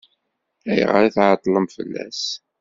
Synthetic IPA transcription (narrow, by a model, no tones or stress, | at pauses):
æjə̰ʁɾiθʕət̪ˤːləmfəlːæ̰s